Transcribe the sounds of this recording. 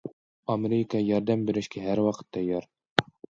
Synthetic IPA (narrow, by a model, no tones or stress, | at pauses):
ɒmʲeɾʲɪkɑjɑɾd̪æmbɘ̆ɾɘ̆ʃkæɦæɾwɑqɤ̥̆t̪ːɑjɑɾ